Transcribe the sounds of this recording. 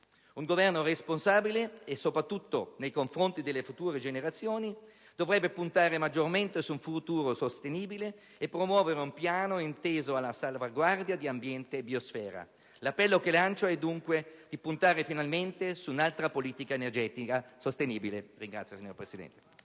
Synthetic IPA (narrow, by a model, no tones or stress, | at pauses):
uŋɡovɛrnoresponsaːbileːsːopɾat̪ːut̪ːonejkoɱfɾont̪id̪elːefut̪uːɾed͡ʒeneɾat̪sːjoːni | d̪̥ovɾɛbːepunt̪aːɾemad͡ʒorment̪esuɱfut̪uːɾosost̪eniːbileː | pːɾomwɔːveɾeumpjaːnoint̪eːzoalːasalvaɡward̪jad̪iambjɛnt̪eːbiosfɛːɾa̰ | lapːɛlːokelant͡ʃaɛd̪ːuŋkwed̪̥ipunt̪aːɾefinalment̪esuːnalt̪ɾapoliːt̪ikaenerd͡ʒɛːt̪ikasost̪eniːbileriŋɡɾa̰t̪sjosiɲːo̰rpɾesid̪ɛ̰nt̪e̥